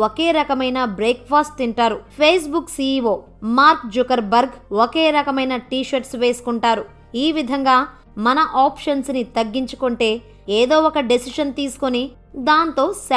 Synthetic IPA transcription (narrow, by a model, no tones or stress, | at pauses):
okeːɾɐkɐmɐjnɐbɾeːkpʰaːsʈiɳʈaːɾupʰeːs̬buksiʋoː | maːɾkd͡ʒukɐɾbɐɾɡoke̞ːɾɐkɐmɐjnɐʈiːʃɐɾʈsʋe̞ːsu̥kuɳʈaːɾu | iːʋid̪ʱɐŋɡaː | mɐnɐʔaːpʂɐnsnit̪ɐɡːiɲt͡ʃu̥koɳʈe̞ː | eːd̪o̞ːɔkɐɖesiʃɐnt̪iːsu̥koni | d̪aːnt̪o̞ːs